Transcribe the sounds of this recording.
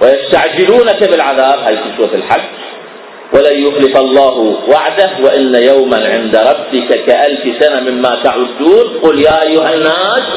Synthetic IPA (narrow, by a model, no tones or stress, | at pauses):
wajast̪aʕd͡ʒɪluːnakabɪlʕaðaːbhaːjkiʃuːɾfɪlħad͡ʒː | wʔalajʊxlɪfɑlˤːɑːɦwaʕd̪ahwaʔɪnːajawmanʕɪnd̪aɾˤɑbːɪkakaʔalfsanamɪmːaːt̪aʕʊd̪ːuːnqʊːljaːʔajːʊɦanːaːs